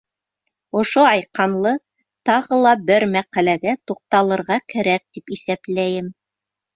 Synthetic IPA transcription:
ŏʃoɑjqɑnlˠɤ | t̪ɑʁɤlˠɑbɘɾmæqælæɡæt̪uq̚t̪ɑlˠɤ̆ɾʁɑkæɾæk̚t̪ipiθæplæjɘm

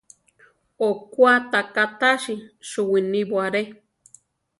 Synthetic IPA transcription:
okwat̪akat̪aʃiʃuwiniβwaɾe

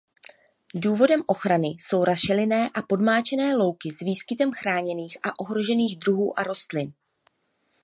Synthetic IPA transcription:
duːvo̞dɛmʔo̞xɾanɪso̞wɾasʃɛlɪnɛːʔapo̞dmaːt͡ʃɛnɛːlo̞wkɪzviːskɪt̪ɛmxɾaːɲɛniːxʔaʔo̞ɦɾo̞ʒɛniːɣdɾuɦuːʔaɾo̞st̪lɪn

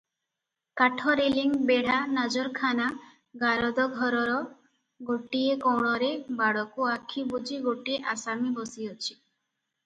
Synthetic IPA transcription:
kaʈʰɔɾeliŋbeɽ̤anad͡ʒɔɾkʰana | ɡaɾɔd̪ɔɡʱɔɾɔɾɔ | ɡoʈiekɔwɳ̃ɔɾebaɽɔkuakʰːibud͡ʒiɡoʈieʔasamibɔsiɔt͡ʃʰi̥

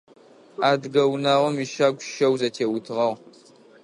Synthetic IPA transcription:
aːdɡɐwnaːʁʷɔmiʃaːɡʷʼʃɐwzɐtʰeːwʊtʰɨʁɐʁ

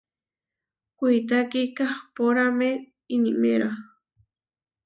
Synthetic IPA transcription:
kʷʊjt̪̬akikahpoɾame | iniʔmeɾa

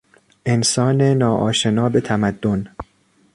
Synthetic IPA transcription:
ʔe̞nsɒːnenɒːʔɒːʃe̞nɒːbe̞t̪ʰæmæd̪ːon

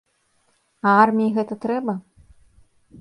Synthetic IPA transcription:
ɐarmʲijiɣɛt̪ɐt̪ɾɛbɐ

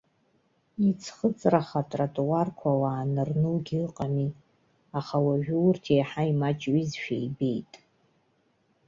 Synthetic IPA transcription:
it͡sʰχət͡sʼraχatʼratʼuwarkʷʰawaːnɨrnɨlɡʲiɨqʼami | aχawaʒᶣrtʰejħaimat͡ʃʼɥizʃᶣejbe̞jtʼ

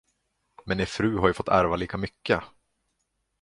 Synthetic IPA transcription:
mɛnefɾʉ̟ːɦaɾjɵfɔt̪ːæ̰ɾvaliːkamʏkːə

